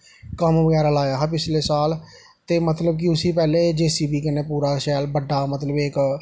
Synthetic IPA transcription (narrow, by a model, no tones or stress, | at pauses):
kəmʋəɡɛːɾaːlaːjaːɦpɪt͡ʃleːsaːl | t̪eːmət̪ləb̚k̬iʊsiːpɛːleːd͡ʒeːsiːbiːkɪneːpuːɾaːʃɛːlbəɖaːmət̪ləbek